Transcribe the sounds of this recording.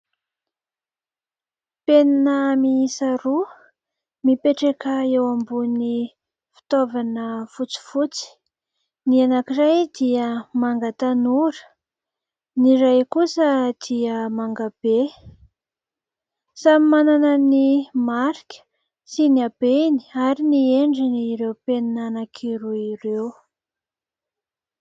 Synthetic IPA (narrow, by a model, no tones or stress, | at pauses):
penanəmiisaɾu | mipeʈ͡ʂekəewambuni | fi̥t̪ovanəfut͡si̥fut͡si̥ | nianakirajd̪iəmaŋɡat̪anuɾə̥ | niɾajkusəd̪̥iəmaŋɡab̥e | samimananənimaɾikʲə̥ | sinab̥eni̥aɾinieɳɖ͡ʐiniɾewpeninanakʰiɾuiɾew